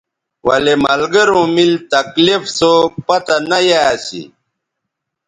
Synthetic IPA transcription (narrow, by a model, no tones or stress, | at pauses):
wɐ̰lemɐlɡɐɾũːmilt̪ɐklifsopɐt̪anɐjaːsḭ